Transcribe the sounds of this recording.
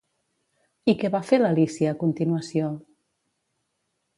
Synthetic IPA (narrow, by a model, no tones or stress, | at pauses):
ikɛβafeləlisiəːkunt̪inuəsio